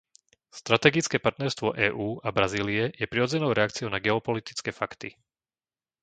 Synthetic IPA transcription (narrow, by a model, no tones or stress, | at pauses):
st̪ɾat̪ɛːɡit͡skɛpaɾt̪nɛɾst̪ʋɔʔɛːʔuːʔabɾaziːliɛjɛpɾiɾɔd͡zɛnɔʊɾɛakt͡siɔʊnaɡɛɔpɔlit̪i̥t͡skɛfakt̪ḭ